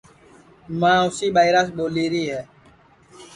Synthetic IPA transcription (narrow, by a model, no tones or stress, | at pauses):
mãːʊsiːɓaːɪɾas̬ɓoːliːɾiːɦɛː